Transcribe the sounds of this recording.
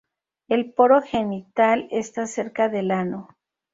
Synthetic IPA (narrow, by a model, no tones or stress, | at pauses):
e̞lpo̞ɾo̞xe̞nit̪alest̪ase̞ɾkaðelano